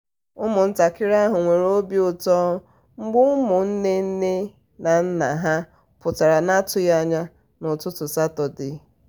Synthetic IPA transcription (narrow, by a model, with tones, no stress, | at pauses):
ʊ˦mʊ˨n̩˦ta˨kɪ˦ɾa˦ɦʊ˨ŋʷe˨ɾo˦bi˦ʊ˨tɔ˦ | ŋ͡m̩˦ɡ͡bʊ˦mʊ˨n̩˦ne˦n̩˦ne˦ | na˨n̩˦na˨ɦa˦ | pʊ˨ta˨ɾa˨na˦tʊ˨ja˦ɲa˦ | nʊ˨tʊ˦tʊ˨sa˦tɔ˨dɪ˨